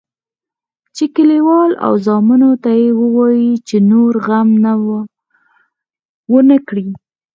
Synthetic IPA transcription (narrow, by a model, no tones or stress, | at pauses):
t͡ʃekəliwɑla̰wzɑmunot̪ajewəwɑjit͡ʃenoɾɣamna | wənəkɽi